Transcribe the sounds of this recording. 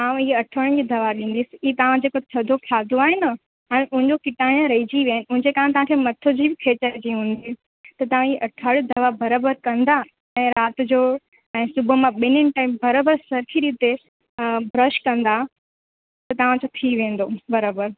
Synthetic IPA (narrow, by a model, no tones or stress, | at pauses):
aːʋãiːɐʈʰəɽ̃d͡ʑid̪ʱɐʋaɗĩːn̆d̪isɪit̪ɐʋãd͡ʑeːkot̪ʰɐd̪ʱokʰaːd̪ʱoaːɦenə | ɛ̃ːʔʊ̃ɦɪ̃ɲd͡ʑokɪʈaːɪñɾɐɦid͡ʑiʋjnɪʊ̃ɦɪ̃ɲd͡ʑeːkãːt̪ɐʋãkʰemɐt̪ʰod͡ʑiːbɪkʰeːt͡ɕəɾd͡ʑiːɦũːn̆d̪i | t̪ɐt̪ɐʋ̤ãieʔɐʈʰəɽd̪ʱɐʋabɐɾabəɾkɐ̃nd̪a | ɛ̃ːɾaːt̪d͡ʑoː | ɛ̃ːsʊbʱʊmãɓɪnɪnɪ̆ʈaːɪmbɐɾəbəɾsɐɾkʰiɾit̪e | bʱɾɐʃkɐ̃nd̪a | t̪ɐt̪ɐʋãd͡ʑot̪ʰiʋẽːn̆d̪obɐɾaːbəɾ